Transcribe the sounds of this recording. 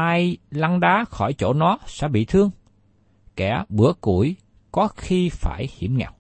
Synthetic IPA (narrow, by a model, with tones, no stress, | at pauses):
aː˧jla˧ŋɗaː˨˦xɔ˧˩jt͡ɕo˧˩nɔ˨˦sɛ̰˧˥ɓḭ˧˨t̪ʰɨ˧əŋ | kɛ˧˩ɓɨ˧˩əku˧˩˨j | kɔ˨˦xi˧faː˧˩jhi˧˩əmŋɛ̰˧˨w̚